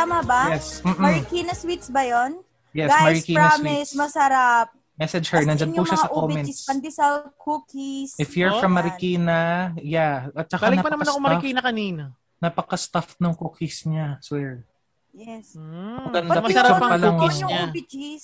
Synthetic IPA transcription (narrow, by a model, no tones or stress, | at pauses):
amɐbajɛsm̩ːʔ̩ɾɪkinɐswit̪sbɐjon | jɛɡsamɐɹɪkiːnamwɪssmɐsɐɾap̚ | mɛsɛd͡ʒhɛɹnɐnd͡ʒanpuʃasɐʔkomɛnd͡ʒispɐnd̪ɪsɐkʰukisɪfjuɹfɹɐmːɐɾɪkiːnɐjaɐt̪̚t͡ʃːɐkalnɐnɐmɐnomɐɾkinɐkɐniːno | nɐpɐkɐst̪afnʊŋkuːkisɲaswɛɹ | jɛskɐd̪aɪɐpɐlɐŋɲʊubɪd͡ʒis